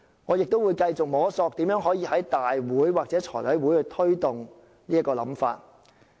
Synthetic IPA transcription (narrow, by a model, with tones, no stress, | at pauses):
ŋɔː˨˧jɪ˨k̚t̪o˥wuː˨˧jkɐ˧jt͡sʊ˨k̚mɔː˨˥sɔː˧k̚t̪iː˨˥mjœː˨˥ŋɦɔː˨˥jiː˧hɐ˨˥jt̪aː˨jwuː˨˥jwaː˨k̚t͡sɛː˨˥t͡ʃʰɔ̰ː˨˩wɐ˨˥jwuː˨˥jhɵ˧t̪ʰɵ˥ɥt̪ʊ˨ŋ | niː˥ɐ˥tkːɔː˧lɐ̰˨˥mfa̰ː˧t̚